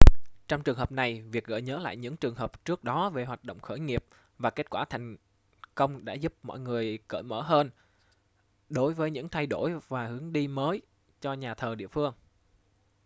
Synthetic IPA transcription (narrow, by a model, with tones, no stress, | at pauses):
t͡ɕɔ˧wŋ͡mt͡ɕɨ˨˩əŋɦəː˨˩p̚na˨˩jvi˨˩k̚ɣə̰ː˧˨jɲəː˨˦la̰ː˧˨jɲɨ̰˧˥ŋt͡ɕɨ˨˩əŋɦəː˨˩p̚t͡ɕɨ˦˥k̚ɗɔ˨˦ve˨˩ɦwaː˨˩t̚ɗo̰˧˨wŋ͡mxəː˧˩jŋi˨˩əp̚ | vaː˨˩ke˦˥t̚kwaː˧˩t̪ʰɛ˨˩ŋ̟ | kə˧wŋ͡mɗa̰ː˧˥zu˦˥p̚mɔ̰˧˨jŋɨ˨˩əjkə̰ː˧˩jməː˧˩ɦəː˧n | ɗo˨˦jvəː˨˦jɲɨ̰˧˥ŋt̪ʰa˧jɗo˧˩jvaː˨˩hɨ˨˦əŋɗi˧məː˨˦j | t͡ɕɔ˧ɲaː˨˩t̪ʰəː˨˩ɗḭ˧˨əfɨ˧əŋ